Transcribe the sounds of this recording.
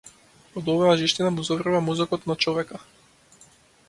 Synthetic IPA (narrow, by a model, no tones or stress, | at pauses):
ɔd̪ɔvajaʒiʃt̪inamuzɔvrvamuzɔkɔt̪nat͡ʃɔvɛka